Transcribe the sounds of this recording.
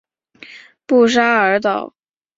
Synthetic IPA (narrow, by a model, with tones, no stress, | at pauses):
pu˥˩ʂ̬a˥ə˧˥t̪ɑ˨˩˦ʊ